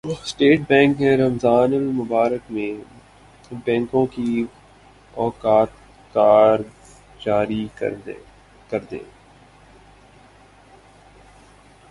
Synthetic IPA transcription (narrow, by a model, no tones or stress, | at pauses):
sʈeːʈ̚bɛ̃ːŋkmẽɾɐmzaːnəlmʊbaːɾəkmẽ | bɛ̃ːŋkõki | ɔːkaːt̪̚ | kaːɾ | d͡ʒaːɾḭ | kɐɾd̪ḛ̃ː